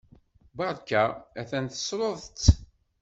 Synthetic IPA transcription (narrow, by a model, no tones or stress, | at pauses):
bɑɾˤkææθænθə̥sɾoðˤt͡sː